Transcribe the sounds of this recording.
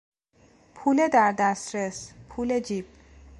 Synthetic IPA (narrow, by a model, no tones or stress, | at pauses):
pʰuːled̪æɾd̪æst̪ɾespʰuːled͡ʒiːb̥̚